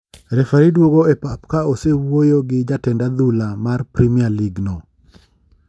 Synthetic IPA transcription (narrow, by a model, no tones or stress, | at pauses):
ɾɛfaɾidwoɡoɛpap̚kaosewojoɡɪd͡ʒatɛndad̪ulamarpɾimialiɡno